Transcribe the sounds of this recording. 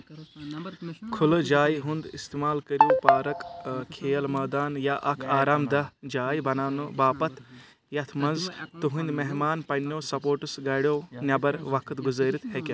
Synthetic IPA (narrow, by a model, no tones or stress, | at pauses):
kʰʊlɨd͡ʒaːjiɦund̪ist̪emaːlkɐɾjoːpaːɾɐkkʰeːlmɐːd̪aːnjaʔɐkʰaːɾaːmd̪ɐd͡ʒaːjibɐnaːnɨbaːpɐt̪ʰ | jɐt̪ʰmɐnzt̪uɦũnd̪meɦmaːnpɐɳnoːsɐpoːʈusɡɐɽʲjoːnʲɐbɐɾʋɐkʰɨt̪ɡuzəːɾit̪ʰhekʲe